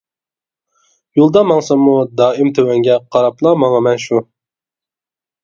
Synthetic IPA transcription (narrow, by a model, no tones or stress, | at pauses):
julˠd̪ɑmɑŋsɑmud̪ɑːimt̪ʰøwɛŋɡʲɛqʰɑɾɑpʰlˠɑmɑŋɑmɛnʃu